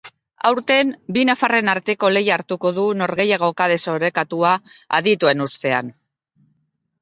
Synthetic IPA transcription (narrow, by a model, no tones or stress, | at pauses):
a̰wɾt̪e̞nbinafare̞naɾt̪e̞ko̞le̞jaɾt̪uko̞ð̞uno̞ɾɣe̞jaɣ̞o̞kaðe̞so̞ɾe̞kat̪uaa̰ðit̪ue̞nust̪e̞a̰n